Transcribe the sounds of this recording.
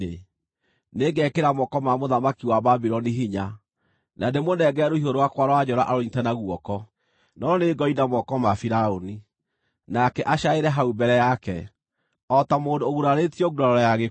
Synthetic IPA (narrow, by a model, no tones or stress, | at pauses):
e | neɡɛkeɾamɔkɔmamoðamakiwababiɾɔniɦiɲa | nademonɛɡɛɾohiɦoɾowakwaɾɔwad͡ʒɔɾaʔaɾoɲitɛnaɣwɔkɔ | nɔneɡɔidamɔkɔmafiɾaoni | nakɛʔaʃaeɾɛɦaubɛɾɛjakɛ̰ | ɔtamoːdoːɣuɾaɾetiɔɡuɾaɾɔɾɔjaɣe